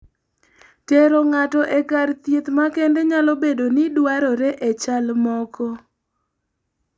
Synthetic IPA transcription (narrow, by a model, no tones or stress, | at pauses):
tɛɾɔŋatɔʔɛkart̪jet̪makɛndɛɲalɔbedonidwaɾɔɾɛʔet͡ʃalmɔkɔ